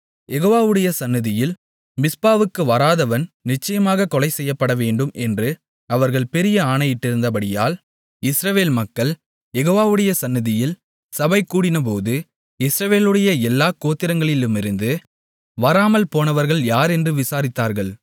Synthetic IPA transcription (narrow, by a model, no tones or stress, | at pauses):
jɛɣoːʋaːʋɯɽɐjɐsɐnːɪðɪjɪl | mɪspaːʋɯkːɯʋɐɾaːðɐʋɐnnɪt͡ʃːɐjɐmaːɣɐkɔlɐɪsɛjːɐpːɐɽɐʋeːɳɖɯmʔɛndrɯ | ɐʋɐɾɣɐɭpɛɾɪjɐaːɳɐjɪʈːɪɾɯnd̪ɐpɐɽɪjaːl | ɪsɾɐʋeːlmɐkːɐɭ | jɛɣoːʋaːʋɯɽɐjɐsɐnːɪðɪjɪl | sɐbɐɪkːuːɽɪnɐp̬oːðɯ | ɪsɾɐʋeːlɯɽɐjɐɛlːaːkoːt̪ːɪɾɐŋɡɐɭɪlɯmɪɾɯnd̪ɯ | ʋɐɾaːmɐlpoːnɐʋɐɾɣɐɭjaːɾɛndrɯʋɪsaːɾɪt̪ːaːɾɣɐɭ